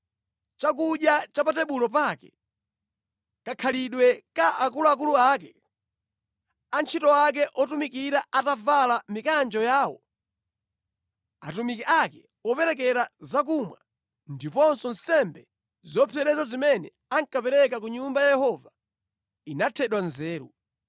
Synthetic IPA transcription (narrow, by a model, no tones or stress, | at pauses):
t͡ʃak̬uʄjat͡ʃapatɛɓulɔpakɛ̥ | kakʰaliɗwɛkaʔakuluak̬uluaːkɛ | ant͡ʃʰitɔak̬ɛʔɔtumikiɾaʔatavalamikand͡ʒɔjaːwɔ̰ | a̰tumikɛʔakɛ | ɔpɛɾɛk̬ɛɾazak̬umwa̰ | ndipɔnsɔn̩sɛmbɛ | zɔpʰɛɾɛzazimɛnɛ̰ | aŋkapɛɾɛkak̬uɲumbajajɛhɔva | inatʰɛɗwanzɛːɾṵ